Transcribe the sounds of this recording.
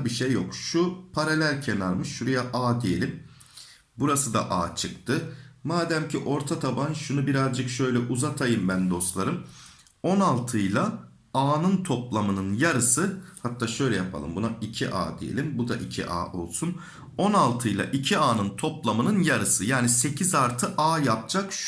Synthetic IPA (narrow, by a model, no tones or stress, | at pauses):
biʃejːokʃupʰaɾelʲæɾcʰenaɾmɯʃːuɾujaʔaːd̪ije̞̰lʲim | buɾasɯd̪a̰ʔa̰ːt͡ʃʰɯkt̪ʰɯmaːd̪æmciʔo̞ɾt̪ʰat̪ʰabanʃunubiɾazd͡ʒɯkʃø̞jlʲɛʔuzat̪ʰajɯmbænd̪o̞st̪lˠaɾɯm | o̞nalˠt̪ʰɯjlˠa | aːnɯnt̪ʰo̞plˠamɯnɯnjaɾɯsɯhat̪ʰːaːʃø̞jlʲɛjapʰa̰lˠɯ̰mbunaicʰiʔa̰ːd̪ijḛlʲimbud̪aʔicʰḭʔa̰ːo̞̰lˠsun | o̞nalˠt̪ʰɯjlˠa̰ʔicʰiaːnɯnt̪ʰo̞plˠamɯnɯnjaɾɯsɯjaːnise̞cʰizaɾt̪ʰɯʔaːjap̚d͡ʒak